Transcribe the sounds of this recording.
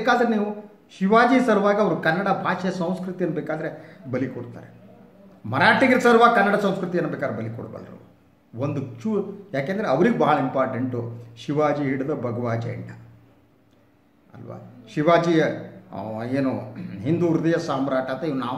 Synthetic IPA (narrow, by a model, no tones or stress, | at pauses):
ekaːd̪ɐɾeniːʋu | ʃiʋaːd͡ʒiːsɐɾuʋaːɡɐɐʋɐɾukɐnːɐɽɐbʱaːʃɐjɐsɐ̃w̃skɾut̪ijɐnːɐbeːkaːd̪ɐɾebɐlikoɽt̪a̰ːɾe | mɐɾaːʈiɡɐɾsɐɾuʋaːɡkɐnːɐɽɐsɐ̃w̃skɾut̪ijɐnːɐbeːkad̪ɾebɐlikɔ̰ɽbɐ̰lɐɾṵ | ond̪ut͡ʃujaːkeːnd̪ɐɾeɐʋɐɾiɡebɐɦɐɭɐimpaːɾʈeɳʈuʃiʋaːd͡ʒiɦiɽɐd̪ɐbʱɐɡɐʋaːd͡ʒɐ̰ɐ̰ɳɖɐ | ɐ̰lʋa̰ːʃiʋaːd͡ʒiɐ | eːnuɦind̪uːɾud̪ɐjɐsaːmɐɾaːʈɐnt̪ːɐiːʋɾunaː